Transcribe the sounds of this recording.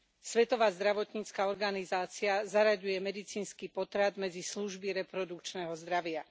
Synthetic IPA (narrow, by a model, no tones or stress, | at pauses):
sʋɛt̪ɔʋaːzd̪ɾaʋɔt̪ɲiːt͡skaɔɾɡanizaːt͡siazaɾaɟujɛmɛd̪it͡siːnskiːpɔt̪ɾad̪mɛd͡zisluʒbiɾɛpɾɔd̪ukt͡ʃnɛɦɔzd̪ɾaʋɪa